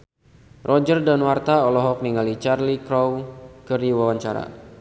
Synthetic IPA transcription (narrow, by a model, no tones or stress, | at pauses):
rʔɔd͡ʒərdanwart̪aɔlɔɦɔk̚niŋalit͡ʃarlikɾɔwkərdiwawaɲt͡ʃaɾa̰